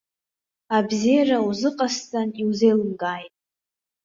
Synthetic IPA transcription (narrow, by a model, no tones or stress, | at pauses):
abzijarauzɨqʼastʼaniwzejlɨmɡaːjtʼ